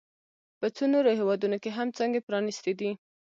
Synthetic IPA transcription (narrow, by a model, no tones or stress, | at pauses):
pət͡sonoɾohewɑd̪unokeɦamt͡sɑŋɡepɾɑnist̪ed̪i